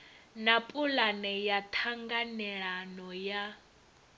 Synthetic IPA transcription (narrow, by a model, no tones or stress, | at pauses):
napʼulanɛjat̪ʰaŋɡanɛɺanɔja